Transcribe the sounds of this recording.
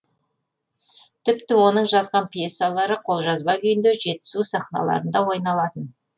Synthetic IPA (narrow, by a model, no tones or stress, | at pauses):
t̪ʰɪpt̪ɪwo̞nəɴʒɑzʁɑnpʲʰjesːalˠɑɾəqʰo̞lˠʒɑzbɑkʲʰʏjɪnd̪eʒe̞t̪ɪ̥zusɑχnɑ̰lˠɑ̰ɾənd̪ɑwojnɑlˠɑt̪ən